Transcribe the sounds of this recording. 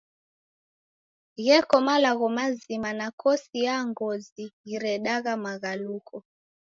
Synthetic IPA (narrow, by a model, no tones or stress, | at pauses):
ɣɛkɔmalaɣɔmazimanakɔsijaŋɡɔziiɾɛɗaɣamaɣalukʰɔ